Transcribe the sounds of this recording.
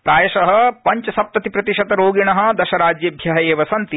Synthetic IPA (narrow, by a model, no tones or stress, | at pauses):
pɾaːjɐʃɐɦɐ̆pɐɲt͡ʃɐsɐp̚t̪ɐt̪ipɾɐt̪iʃɐt̪ɐɾoːɡiɳɐɦɐ̆d̪ɐʃɐɾaːd͡ʒjɐbʱjɐɦɐjeːʋɐsɐnt̪i